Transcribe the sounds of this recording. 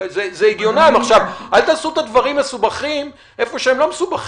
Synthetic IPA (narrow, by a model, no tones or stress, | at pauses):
zezeiɡjonamaχʃavʔalt̪aːsuet̪ad̪vaʁimːe̞subaχim | ʔefo̞ʃeemlo̞mesubaχ